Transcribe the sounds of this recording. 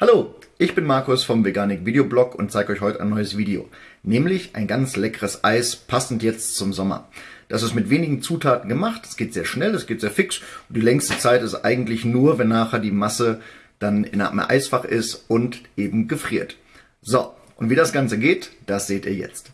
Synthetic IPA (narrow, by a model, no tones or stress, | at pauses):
haloːʔɪçb̥ɪnmaɐkʊsfɔmveɡaːnɪkviːdeoblɔkʊ̰nt̚t͡saɪɡəʔɔʏçhɔʏtəaɪnɔʏəsv̥iːdeo̰ːnɛːmlɪçʔa̰ɪnɡant͡slɛkəʁəsʔaɪspʰasn̩tjɛt͡st͡sʊmzɔmɐ̰d̥asɪstmɪtv̥eːnɪɡŋ̩t͡suːtʰaːtn̩ɡəmaχtɛ̥sɡ̥eːtzeːɐʃnɛlɛsɡ̥eːtz̥eːɐfɪksʊnd̥iːlɛŋstət͡saɪtɪstʔa̰ɪɡŋ̩tlɪçnuːɐvɛnːaːχɛɐdiːmasəd̥anɪ̰nʔa̰m̰ʔa̰ɪsfaχʔɪstʊntʔeːbm̩ɡəfʁ̥iːɐt | z̥o | ʔʊntv̥iːdasɡ̥ant͡səɡeːtd̥asz̥eːtiːɐjɛ̰t͡st